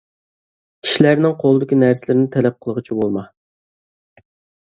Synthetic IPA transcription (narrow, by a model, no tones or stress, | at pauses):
kʲʰi̥ʃilæɾnɪŋqʰolˠɨd̪ɪkʲinæɾsɪlɪɾɪnɪt̪ʰɛlɛp̚qʰəlˠəʁɨt͡ʃʰibolˠmɑ